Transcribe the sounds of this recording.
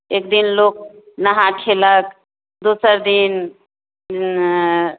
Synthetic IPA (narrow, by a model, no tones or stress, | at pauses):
eːkd̪inloːk̚ | nəɦakʰelək | d̪uːsəɾd̪in